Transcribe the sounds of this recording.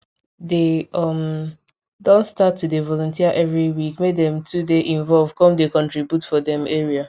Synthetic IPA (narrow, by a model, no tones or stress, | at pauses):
deʌm | dõntstatʰːudevɔlɔ̃ntiaʔɛvɹiwikmedɛ̃mtʰudeʔĩɱvɔlv̥kɔ̃mdekɔ̃ntɹibjutfɔdɛ̃meɹia